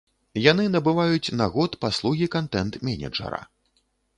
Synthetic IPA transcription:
jan̪ɨnɐbɨvajut͡sʲnaɣɔt̪paslˠuɣʲikant̪ɛnt̪mʲɛnʲɛ̰d͡ʐɐ̰ɾɐ̰

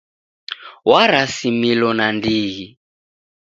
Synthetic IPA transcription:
waɾasimilɔnandiːɦi

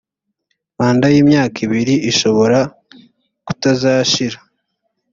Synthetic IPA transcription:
maːndajiːmɲaːkiβiɾiiʃo̞βo̞ɾa | ku̥tazaːʃiɾa

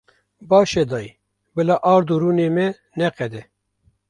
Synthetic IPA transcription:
bɑːʃɛd̪ɑːji | bɨlɑːʔɑːɾd̪uɾuːneːmɛ | nɛqɛd̪ɛ

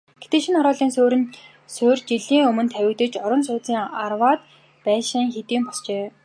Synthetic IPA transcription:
ɡ̥e̥t̪ĕʃinχɔɾɔːɮiːnsoːɾɘ̆n | sɵːrt͡ɕiɮiːŋɵmɵ̆nt̪ʰæwʲɪ̆kt̪ɘ̆t͡ɕɔɾə̆ns̬ʊːt͡siːŋarwaːt̪ | pæːʃɪ̆ŋxet̪iːmpɔɮt͡ɕeː

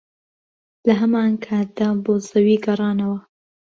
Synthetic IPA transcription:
laɦamaŋkʰad̪abozawiɡɑɾɑnawa

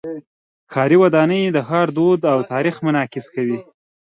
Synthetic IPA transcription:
kʰɑɾiwad̪ɑnəjd̪əxɑɾd̪od̪awt̪ɑɾixmʊnɑkɪskawi

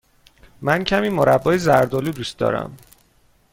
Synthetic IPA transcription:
mæncʰæmiːmoɾæbːɒːjezæɾd̪oluːd̪uːst̪d̪ɒ̰ːɾæ̰m

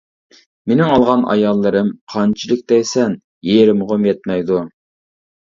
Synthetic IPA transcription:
menɪŋɑlˠʁɑnʔɑ̰jɑlˠːɨɾɨmqʰɑnt͡ʃʰilˠɪk̚ʲd̪ɛjsɛn | jeɾɪmʁʊmjɛt̪̚mɛjd̪u

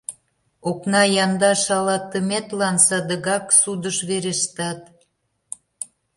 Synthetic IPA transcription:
oknɑjɑnd̪ɑʃɑlɑt̪ːəmet̪lɑnsɑd̪əɣɑksud̪əʃβeɾeʃt̪ɑt̪

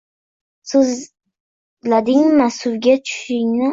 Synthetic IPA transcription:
sɪz | lad̪ɪŋmasʊɾɡʲat͡ʃʰʊ̥ʃɪŋnɪ

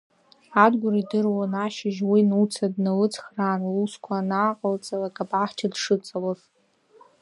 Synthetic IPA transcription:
adɡʷʊɾidɨrwanaʃɪʒwinut͡sʰadnalɨt͡sʰχraːruskʷʰanaːqʼəlt͡sʼalakʼabʼʕaħt͡ʃʰadʂɨt͡sʼalaz

